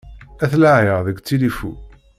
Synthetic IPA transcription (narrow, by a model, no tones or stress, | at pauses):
æθlaʕəʁðəɡʷt͡sːilifṵ